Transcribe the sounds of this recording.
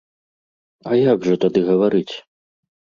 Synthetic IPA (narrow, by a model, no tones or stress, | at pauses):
ɐjaɡʐɐt̪ad̪ɨɣɐvaɾɨt͡sʲ